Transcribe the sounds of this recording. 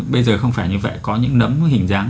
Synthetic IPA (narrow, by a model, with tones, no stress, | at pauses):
ɓə˧jzəː˨˩xə˧wŋ͡mfaː˧˩jɲɨ˧və̰˧˨jkɔ˨˦ɲɨ̰˧˥ŋnə˨˦mhï˨˩ŋ̟zaː˨˦ŋ